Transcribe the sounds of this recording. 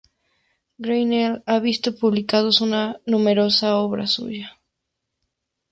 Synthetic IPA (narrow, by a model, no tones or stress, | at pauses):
ɡɾejnelaβist̪opuβlikað̞osunanumeɾosaoβɾa̰sṵʝa